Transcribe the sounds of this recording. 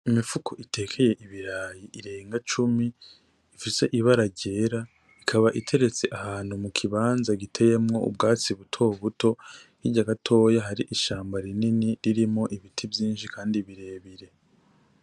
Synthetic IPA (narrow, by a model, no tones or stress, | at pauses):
imifukʰoʔitʰe̞ːkʰe̞je̞ʔiβiɾaːjiʔiɾe̞ːŋɡat͡ʃumiː | fise̞ʔiβaɾaɟe̞ːɾa | ikʰaβaʔitʰe̞ɾe̞t͡se̞ʔahaːn̥humukʰiβaːnzaɡitʰe̞je̞mŋo̞̰ṵbɡaːt͡siβutʰo̞βuto̞hiɟaɡatʰo̞jaɦaɾiʔiʃaːmbaɾininiɾiɾimo̞ʔiβitʰivjiːnʃikʰaːndiβiɾe̞ːβiɾe̞